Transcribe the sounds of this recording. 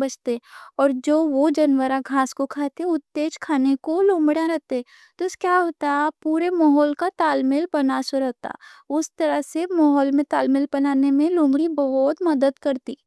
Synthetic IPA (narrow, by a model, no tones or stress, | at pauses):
bɐt͡ʃt̪eɔːɾd͡ʒoːʋod͡ʒɐnwəɾaɡʱaːskokʰaːt̪eɦɛʊt̪ːeːd͡ʒkʰaːnekolõːmbɽãɾɛɦt̪eɦɛ̃ | t̪oɪskjaːɦoːt̪apuːɾemɔɦɔːlkat̪aːlmɪlpɐnasoɾəɦt̪a̰ʊst̪ɐɾəɦsemɔɦɔːlmẽt̪aːlmɪlpɐnaːnemẽlõːmɡɽibɐɦʊt̪mɐd̪əd̪kɐɾt̪iː